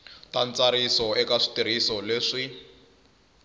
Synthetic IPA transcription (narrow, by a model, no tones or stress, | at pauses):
tant͡saɾisɔɛkaʂi̥tiɾ̤isɔleʂi